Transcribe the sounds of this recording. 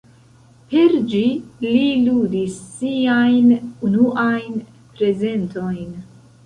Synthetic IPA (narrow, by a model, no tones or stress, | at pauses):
peɾd͡ʒililud̪isːiajnunuʔajn | pɾe̞ze̞nt̪o̞jn